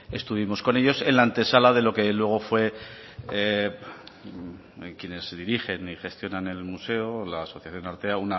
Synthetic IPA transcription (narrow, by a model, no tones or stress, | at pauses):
e̞st̪uβ̞imo̞sko̞ne̞ʎo̞sẽ̞nlaːnt̪e̞salaðe̞lo̞ke̞lwe̞ɣ̞o̞fwe̞ | kjene̞zðiɾiχe̞niχe̞st̪jo̞nane̞lmuse̞olaːso̞θjaθjo̞naɾt̪e̞auna